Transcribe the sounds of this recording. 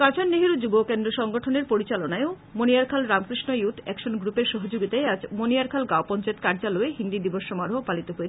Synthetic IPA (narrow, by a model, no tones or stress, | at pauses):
kãt͡ɕʰanneɦiɾud͡ʑubokend̪ɾoʃɔŋɡoʈʰoneɾpoɾit͡ɕalonaeo | moniaɾkʰalɾamkɾiʃnojut̪ʰɛkʃonɡɾupeɾʃɔɦod͡ʑoɡit̪aead͡ʑmoniaɾkʰalɡaopɔnt͡ɕaet̪̚kaɾd͡ʑaloeɦind̪id̪iboʃːɔmaɾoɦopalit̪oɦoe